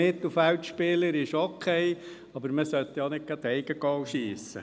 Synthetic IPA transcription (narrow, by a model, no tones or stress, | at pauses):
ɪt̪l̩fæwt̪ʃpɪləɾɪʃokʰɛɪ | ɑbəɾməsœt̪ːjɑnɪk̚ɡ̥ɑt̪ɛɪɡ̥əɡɑwʃiːsə̰